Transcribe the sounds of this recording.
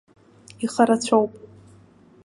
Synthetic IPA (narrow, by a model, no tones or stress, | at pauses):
iχaɾat͡ɕʷʰowpʼ